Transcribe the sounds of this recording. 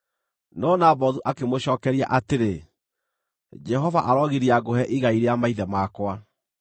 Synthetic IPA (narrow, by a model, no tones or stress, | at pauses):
nɔːnabɔðuʔakemoɕɔːkɛɾia̰ʔateɾe | d͡ʒɛɦɔva̰ʔaɾɔɣiɾiaɡohɛʔiɣaiɾeamaiðɛmakwa